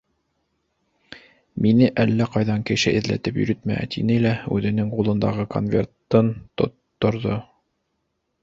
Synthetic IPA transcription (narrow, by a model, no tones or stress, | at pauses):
minɘʔælːæqɑjðɑŋkɘ̆ʃɘʔɘ̆ðlæ̰t̪ɘpjɵ̰̆ɾɘt̪mææ̰t̪inɘlæʉ̰ðɘ̆nɘŋqulˠɤ̆nd̪ɑʁɤko̰nvʲḛrt̪ːɤnt̪ŏ̰t̪ːŏɾðo